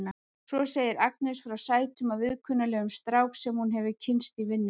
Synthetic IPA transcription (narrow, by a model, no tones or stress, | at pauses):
na | sɔseːjɪɾak̚nɛsfɾawsaːjt̪ʏmavɪðkʰʏnːalɛːɣʏmst̪ɾaːwksɛmhunɦɛvɪcʰɪnst̪ivɪnːʏ